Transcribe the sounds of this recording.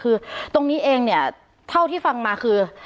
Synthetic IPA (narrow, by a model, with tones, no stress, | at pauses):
kʰɯː˧t̪o˧ŋniː˦˥ʔeː˧ŋni˥˩ɐ | t̪ʰa˥˩wt̪ʰiː˥˩fa˧ŋmaː˧kʰɯː˧